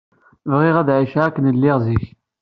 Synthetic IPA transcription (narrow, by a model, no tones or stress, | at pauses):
vʁɪʁæðʕiʃʕækːənəlːɪʁziç